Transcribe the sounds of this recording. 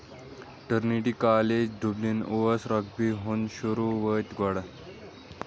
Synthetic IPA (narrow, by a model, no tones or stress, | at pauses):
ʈəɾniʈiːkaled͡ʑɖʱublinoʋəsɾəkbiɦonɕuɾuʋət̪ɡɔɽa